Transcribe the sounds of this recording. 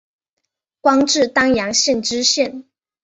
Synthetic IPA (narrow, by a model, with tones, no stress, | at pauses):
kwɑ˥ŋʈ͡ʂɻ̩˥˩t̪ɑ˥ŋjɑ˧˥ŋɕjɛ˥˩nʈ͡ʂɻ̩˥ɕjɛ˥˩n